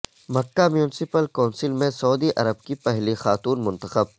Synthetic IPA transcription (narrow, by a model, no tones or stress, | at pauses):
mɐkːamjuːnɪsɪpəlkaːnsɪlmẽsɐuːd̪iʔɐ̰ɾəb̚kipɛɦlixaːt̪uːnmʊ̃nt̪əxəb̚